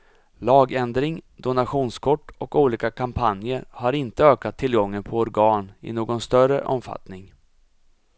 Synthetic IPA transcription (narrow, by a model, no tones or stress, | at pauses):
lɑːɡɛnd̪ɾɪŋd̪ʊnaɧuːnskʰɔʈːɔkuːliːkakʰampʰanjəɾhaɾɪnt̪əøːkat̪ʰːɪlɡɔŋːənpʰɔɔɾɡɑːnɪ̰noːɡɔnst̪œrə̰ʔɔ̰mfa̰t̪nɪŋ